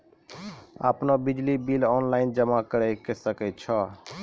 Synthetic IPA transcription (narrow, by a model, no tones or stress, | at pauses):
a̰pnobid͡ʒlibilɔnlaɪnd͡ʒəmakəɾəkesəkɛt̪̚t͡ʃʰɔ